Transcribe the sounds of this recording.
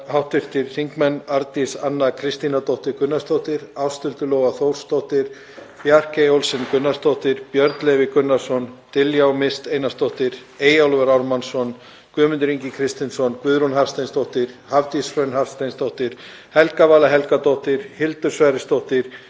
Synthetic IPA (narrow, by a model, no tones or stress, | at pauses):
hawht̪vɪr̥t̪ɪɾ̥siŋkmɛnaɾt̪isanːakʰɾɪst̪inat̪ɔht̪ɪkʏnːast̪owht̪ɪɾawst̪ʏlt̪ʏlɔːwɣaθowɾ̥st̪owht̪ɪɾ̥ | fjar̥kejowlsɛnkʏnːast̪owht̪ɪɾpjœɾt̪lɛvɪkʏnːḁsɔnt̪ɪljawmɪst̪eːjnast̪owht̪ɪɾeːjawlvɛɾawɾmansɔn | kʏːmʏnt̪ʏɾiɲcɪkʰɾɪst̪ɪnsɔnkvʏðɾunɦaɾ̥st̪ajnst̪ɔwht̪ɪɾ̥havt̪isfœnhaɾ̥st̪ajnst̪owht̪ɪɾ̥ | hɛlkavaːlaɦɛlkat̪ɔht̪ɪɾ̥hɪlt̪ʏ̥svajɾɪst̪owht̪ɪɾ̥